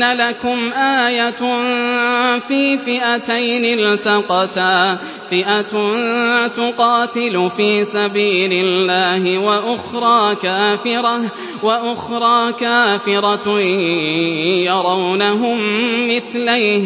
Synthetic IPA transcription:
nalakʊmʔaːja | fiːfɪʔat̪ajnɪlt̪ɑqɑt̪a | fɪʔat̪nt̪ʊqɑːt̪ɪlʊfiːsabiːlɪlːaːhɪwaʔʊxɾˤɑːkaːfɪɾɑ | waʔʊxɾˤɑːkaːfɪɾˤɑ | jɑɾˤɑwnaɦʊmːɪθlaj

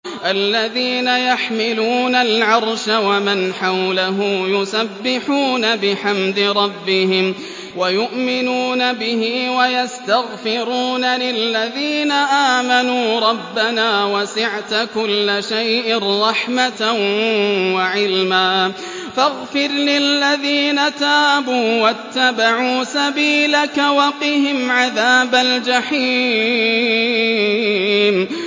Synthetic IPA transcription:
ʔalːaðiːnajaħmɪluːnalʕɑɾˤʃawamɪnħawlaɦʊmjʊsabːɪħuːnabɪħamd̪ɪɾˤɑbːɪhɪm | wajʊʔmɪnuːnabɪhɪwajast̪aɣfɪɾuːnalɪlːaðiːnaʔaːmanuːɾˤɑbːanaːwasɪʕt̪kʊlːaʃajʔɪnˤːɑħmat̪ | waʕɪlmaː | faɣfɪɾlɪlːaðiːnat̪aːbuːwat̪ːabaʕuːsabiːlakawɑqɪhɪmʕaðaːbald͡ʒaħiː | m

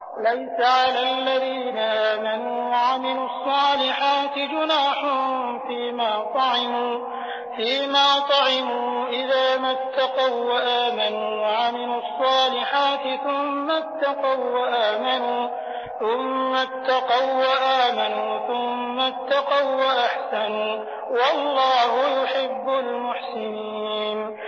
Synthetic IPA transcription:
lajsaʕalaːlːaðiːnaʔaːmanuːwaʕamɪluɑsˤːɑːlɪħaːt̪ɪd͡ʒʊnaːħʊ | fiːmaːt̪ˤɑʕɪmuː | fiːmaːt̪ˤɑʕɪmuːʔɪðaːmat̪ːɑqɑwwaʔaːmanuːwaʕamɪlʊɑsˤːɑːlɪħaːt̪ɪθʊmːat̪ːɑqɑwwaʔaːmanuː | θʊmːat̪ːɑqɑwwaʔaːmanuːθʊmːat̪ːɑqɑwwaʔaħsanuː | wɑlˤːɑːhʊjʊħɪbːʊlmʊħsɪniːn

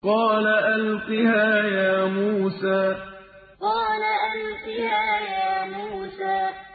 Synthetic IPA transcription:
qɑːlaʔalqɪhaːjaːmuːsaː | qɑːlaʔalqɪhaːjaːmuːsaː

